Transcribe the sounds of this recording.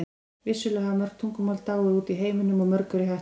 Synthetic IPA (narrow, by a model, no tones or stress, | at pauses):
vɪsʏlɛhamœɾ̥k̚t̪ʰuŋkʏmɔːlt̪aːwʏɾuːt̪iɦeːjmʏnʏmɔmœɾkʏɾʏɦa